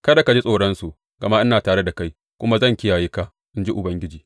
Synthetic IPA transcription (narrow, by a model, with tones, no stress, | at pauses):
kɐ˦da˨ka˨d͡ʒi˦sʼoː˨ɽɐ˦nsu˨ʔ | ɡ̥ɐ˨ma˦ʔɪ˦naː˨taː˨ɽe˦da˨ka˦j | kʷʊ˦ma˦zɐ˦ŋkʲɪ˦jaː˨jiː˦ka˦ | ʔɪ˦nd͡ʒi˦ʔʊ˨bɐ˦ŋɡʲɪ˦d͡ʒiː˨